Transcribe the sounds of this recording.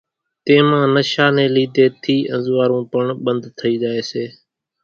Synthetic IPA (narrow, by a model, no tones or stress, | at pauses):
t̪ẽːmãːnəʃaːnẽːliːd̪eːt̪ʰiːʔə̃nzʋaːɾũːpəɳɓənd̪t̪ʰəiːd͡ʒaːeːseː